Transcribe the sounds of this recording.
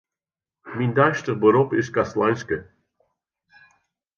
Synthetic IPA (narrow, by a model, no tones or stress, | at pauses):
mind̪aʃt̪əʁbəɾɔpɪs̚kaslˠanʲskə